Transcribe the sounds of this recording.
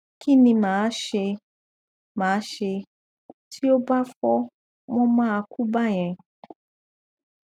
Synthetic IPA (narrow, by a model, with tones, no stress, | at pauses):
ki˦˨nĩ˧mãː˨˦ʃe˧ | mãː˨˦ʃe˧ | tʰi˦o˦ba˦fɔ˦ | wɔ̃˦mãː˦a˧ku˦ba˦˨j̃ɛ̃˧